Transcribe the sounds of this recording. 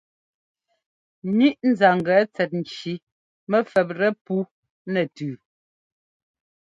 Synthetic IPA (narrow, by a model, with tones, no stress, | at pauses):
ni˦ʔn̩˨za˨ŋ˨ɡɛ˨˦t͡sɛ˨t̚n̩˨t͡ʃi˨˦ | mɛ˦fɛ˨p̬̚ɾɛ˦pu˦ | nɛ˨tʉː˨